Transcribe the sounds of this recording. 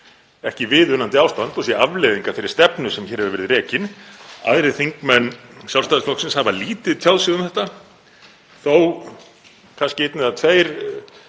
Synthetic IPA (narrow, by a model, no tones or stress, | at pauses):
ɛhcɪvɪðʏnːant̪ɪawst̪ant̪ɔsjɛavlejðiŋkafɪɾːɪ̥ɾst̪ɛpnʏsɛmçɛːɾhɛvɪɾvɛːɾɪðrɛːcɪna̰ðɾɪθiŋkmɛnːsjaw̪st̪aːðsflɔhksɪnshavaliːt̪ɪðt̪ʰjawðsiːɣðʏmθɛht̪a | θow | kʰanscɪɪt̪nɪðat̪ʰveːjɾ̥